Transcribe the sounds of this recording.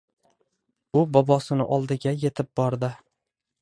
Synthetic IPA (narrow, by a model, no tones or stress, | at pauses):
ʊbɒbɒsɪnɪ̰ʔɒlˠd̪ɪɡʲaje̞t̪ʰɪp̚bɒɾd̪ɪ